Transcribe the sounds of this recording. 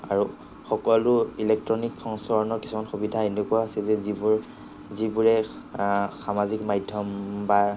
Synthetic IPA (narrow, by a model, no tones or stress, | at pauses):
aɹu | xɔkɔlʊilɛk̚tɹɔnikːɔŋskɔɹɔnɔɹki̥sumanxubidʱaenukɔjasɛzɛzibuɹ | zibuɹɛ | xamazikmajdʱjɔmba